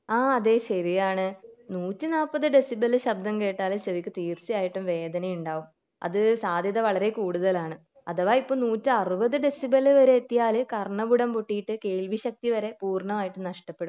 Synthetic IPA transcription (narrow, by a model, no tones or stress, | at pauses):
aːɐðe̞ːɕɐrijaːɳɨnuːtːɨnaːpːɐðɨɖe̞sibɐlːɨɕɐb̚d̪ʱɐmke̞ːʈːaːlɨseʋikʲːɨt̪iːrsijaːjiʈːumʋe̞ːd̪ɐnɐjuɳɖaːʋum | ɐ̰ðɨsaːd̪ʱjɐðɐʋɐɭɐɾe̞kuːɽuðɐlaːɳɨ | ɐðɐʋaːipːoːnuːtːɨɐrubɐðɨɖe̞sibɐlːɨʋɐɾe̞ːt̪ːijaːlɨkɐrɳɐbuɽɐmpoʈːijiʈːɨke̞ːɭʋiɕɐk̚t̪iʋɐɾe̞puːrɳɐmaːjiʈːumnɐʂʈɐpːe̞ɽum